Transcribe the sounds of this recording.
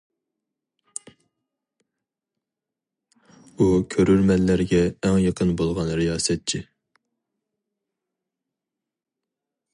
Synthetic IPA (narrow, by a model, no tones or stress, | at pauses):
ukʲʰøɾyɾmɛlːæɾɡʲɛːŋjəqʰənbolˠʁɑnɾijɑːsɛt̪̚t͡ʃʰi